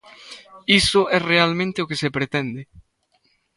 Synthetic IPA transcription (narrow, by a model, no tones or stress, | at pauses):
isʊʔɛrealmẽnt̪ɪokesepɾet̪ɛnd̪e